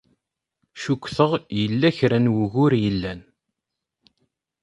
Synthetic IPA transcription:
ʃukʷːθəʁjəlːæçɾænwuɣʊɾjəlːæn

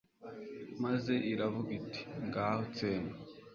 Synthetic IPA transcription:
maze̞ʔiɾavuɡitʰi̥ŋɡaːhot͡seːna

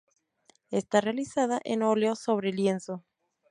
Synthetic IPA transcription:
est̪arealisaðaʔenoleoso̞βɾelje̞nso

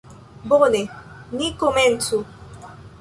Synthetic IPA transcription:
bone | nikomɛntu

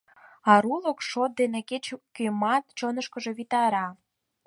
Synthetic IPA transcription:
ɑɾulokʃot̪̚d̪eneket͡ɕkymɑt̪̚t͡ɕonəʃkəʒe̽βit̪ɑɾɑ

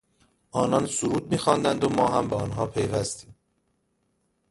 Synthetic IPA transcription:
ʔɒːnɒnsuɾuːd̪̚miːxɒːnd̪ænd̪omɒːɦæ̰mbeɒnɦɒːpʰejvæst̪iːm

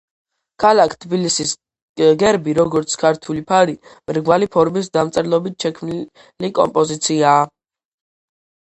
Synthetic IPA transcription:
kʰalakʰt̪ʰbilisis | ɡɛɾbiɾɔɡɔɾt̪sʰkʰaɾt̪ʰulipʰaɾimɾɡwalipʰɔɾmis̬d̪amt̪sʼɾlˠɔbit̪̚ʰʃɛkʰmn | likʼɔ̰mpʼɔzit̪sʰiaː

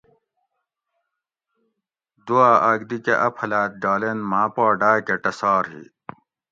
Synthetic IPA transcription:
d̪uaːʔaːɡd̪ikeʔɐpʰɐlaːt̪̚ɡaːlenmãːpaːɖaːkeʈɐsaːɾɦḭ

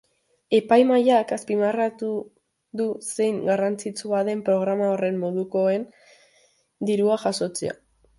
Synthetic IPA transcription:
e̞pajmajakaspimarat̪u | ðuse̞jŋɡarant͡sit͡suaðe̞mpɾo̞ɣ̞ɾamao̞re̞mːo̞ðuko̞e̞n | d̪iɾuaʝaso̞t͡se̞̰a̰

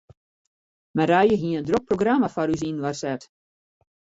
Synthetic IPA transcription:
mɛɾajəɦiənəndrok̚proɡramafaɾys̬inʋarsɛt

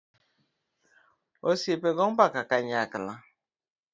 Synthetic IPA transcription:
osepeɡɔm̩bakakaɲakɪla

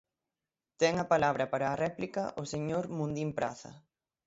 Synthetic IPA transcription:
t̪ɛŋɐpalaβɾɐpaɾɐːrɛplikɐʔʊseɲoɾmũnd̪impɾa̰θɐ̰

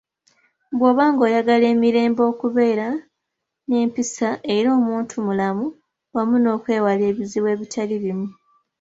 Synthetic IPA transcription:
bwo̞ːβaːŋɡo̞ːjaɡale̞ːmiɾe̞ːmbo̞ːkuβe̞ːɾa | ne̞ːmpisaʔe̞ɾo̞ːmuːntʰumulamu | wamuno̞ːkwe̞ːwale̞ːβiziβwe̞ːβitʰaliβimu

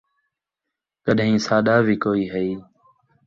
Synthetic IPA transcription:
kəɗɦĩːsaːɗaːʋiːkoːiːɦəiː

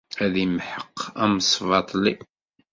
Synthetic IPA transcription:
æðimħəqːæmsˤvɑt̪ˤli

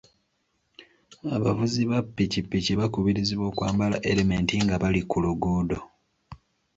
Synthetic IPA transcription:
aβavuziβapːicipːiciβakuβiɾiziβo̞ːkwaːmbalaʔe̞leme̞ntiŋɡaβalikuluɡuːdo̞

